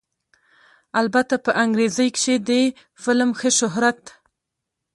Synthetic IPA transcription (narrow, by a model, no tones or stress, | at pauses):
albat̪apəʔaŋɡɾezəjkʃed̪ə | fɪlmxəʃʊɦɾat̪